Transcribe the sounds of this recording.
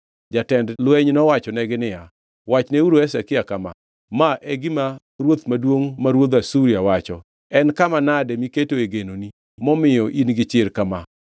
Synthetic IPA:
d͡ʒatɛndlwɛɲnɔwat͡ʃɔnɛɡɪnɪja | wat͡ʃneuɾoɛsakɪjakama̰ | maʔɛɡɪma | ɾwot̪madwoŋmaɾwod̪asuɾiawat͡ʃɔ | ɛnkamanadɛmiketoeɡenoni | mɔmɪjɔʔinɡɪt͡ʃɪɾkama

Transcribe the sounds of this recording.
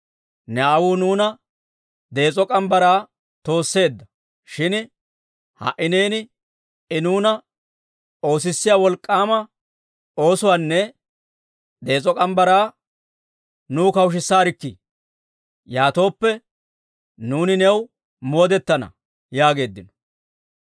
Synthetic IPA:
nɛaːwunuːnɐ | d̪e̞ːt͡sʼɔkʼɐmbɐɾaː | t̪o̞ːsːe̞ːd̪ːɐ | ʃɪn | hɐ̰ʔɪneːnɪ | ɪnuːnɐ | o̞ːs̬ɪsːɪjaːwɔlkʼːaːmɐ | o̞ːsʊwanːɛ | d̪e̞ːt͡sʼɔkʼɐmbɐɾaː | nuːkɐwʃ̬ɪsːaːɾɪkːɪ̰ | jaːt̪o̞ːpːɛ | nuːnɪnɛw | mo̞ːd̪ɛt̪ːɐnɐ̰ | jaːɡe̞ːd̪ːɪnɔ̥

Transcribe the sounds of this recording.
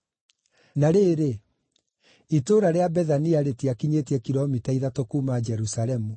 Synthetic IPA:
naɾeːɾe | itoːɾaɾeabɛðaniaɾetiakiɲetɛkiɾɔmitaiðatokuːmad͡ʒɛɾusalɛmu

